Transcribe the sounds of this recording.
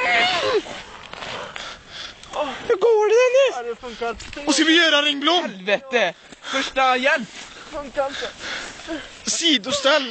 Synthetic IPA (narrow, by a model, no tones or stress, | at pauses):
hʉɾɡoːɖɛɛnɪɛfŋkaɔskavɪjøːɾaɾɪŋːblʊmlveːt̪ə | fœʂʈajɛlp | fŋk | siːd̪ʊst̪ɛlː